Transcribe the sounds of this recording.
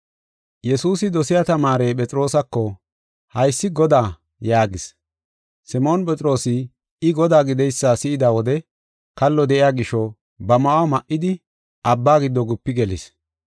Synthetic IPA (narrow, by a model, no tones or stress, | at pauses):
jɛsuːsɪd̪ɔsɪjat̪ɐmaːɾeːpʼɛt͡sʼɪɾo̞ːsɐkːɔ | hɐjsːɪɡɔd̪aː | jaːɡɪs | sɪmoːnpʼɛt͡sʼɾo̞ːsɪ | ɪɡɔd̪aːɡɪd̪ɛjsːaːsɪʔɪd̪awɔd̪ɛ | kɐlːɔd̪ɛʔɪjaːɡɪʃːɔ | bɐmɐwɐmɐʔɪd̪ɪ | ɐbːaːɡɪd̪ːɔɡʊpːɪɡɛlɪ̰s